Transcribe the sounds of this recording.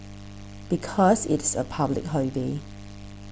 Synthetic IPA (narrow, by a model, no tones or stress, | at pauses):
b̥ikʰɔsɪtsə̰pʰablɪ̰kɦɔbe